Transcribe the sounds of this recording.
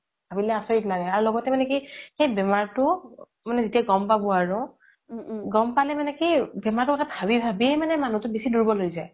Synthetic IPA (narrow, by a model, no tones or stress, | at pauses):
bʱabilɛasɔɹitnaɹɛaɹulɔɡɔtɛmanɛkixejbɛmaɹtʊ | manɛzitijaɡɔmpabɔaɹʊ | ɡɔmpalɛmanɛkibɛmaɹtʊkːɔtʰabʱabibʱabiemanɛmanutʊbesiduɹibɔlojzaj